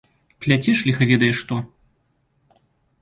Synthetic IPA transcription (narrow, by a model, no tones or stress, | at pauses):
plʲat͡sʲiʂlʲixɐvʲɛd̪ɐjɛʂt̪ɔ